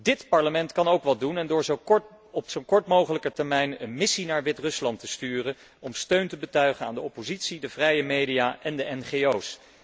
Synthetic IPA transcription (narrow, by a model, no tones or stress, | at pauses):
dɪtpɑɹləmɛntkɑnowkʋɑt̚dunɛndʊːɹzowkɔɹt | ɔpsowkɔɹtmowχələkəɹtɛɹmɛjnə̰nmɪsinaːɹʋɪtrɵslɑntəstyːrə | ɔmstøɥntəbətœɥχəna̰ːndəɔpozitsidəvrɛjəmejdijaːʔɛndəʔɛnχeows